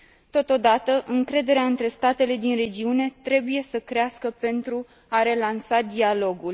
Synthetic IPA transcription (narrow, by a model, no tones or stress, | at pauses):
t̪o̞t̪o̞d̪at̪əʔɨŋkɾe̞d̪e̞ɾeaɨnt̪ɾe̞st̪at̪e̞le̞d̪inre̞d͡ʒiune̞t̪ɾe̞buje̞səkɾeaskəpe̞nt̪ɾu | aɾe̞lansad̪ialo̞ɡul